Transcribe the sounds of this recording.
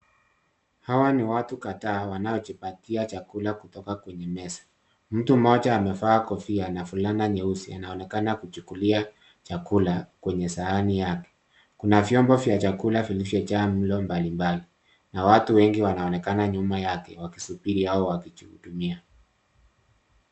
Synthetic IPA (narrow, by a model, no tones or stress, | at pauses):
hawaniwatukataːwanaɔt͡ʃipatiat͡ʃakulakutɔkakwɛɲɛmɛsḁ | m̩tumɔt͡ʃaːmɛfaːkɔfianafulanaɲɛusia̰naɔnɛkanakut͡ʃukulia | t͡ʃakulakwɛɲɛsaanijakɛ̥ | kunavjɔmbɔvjat͡ʃakulafilivjɛt͡ʃam̩lɔmbalimbali | nawatuwɛŋɡiwanaɔnɛkanaɲumajakɛ̰waki̥supiɾihaɔwakit͡ʃihṵɗumia